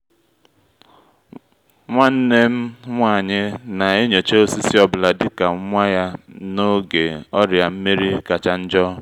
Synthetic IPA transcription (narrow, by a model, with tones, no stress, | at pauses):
ŋʷa˦n̩˦ne˦m̩˦ŋʷa˦˨ɲɪ˦na˨e˦ɲo˨t͡ʃe˦o˦si˦si˦ɔ˦bʊ˦la˨dɪ˦ka˨ŋ̩˦ŋʷa˦ja˦no˦ɡe˨ɔ˦ɾja˨m̩˦me˦ɾi˦ka˨t͡ʃa˦n̩˦d͡ʒɔ˦